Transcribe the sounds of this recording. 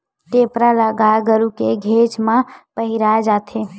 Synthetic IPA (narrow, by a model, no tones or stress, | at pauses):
ʈeːpɾalaɡaeɡəɾukeɡʱeːt͡ʃmãpəɦɪɾaːed͡ʒaːt̪ʰe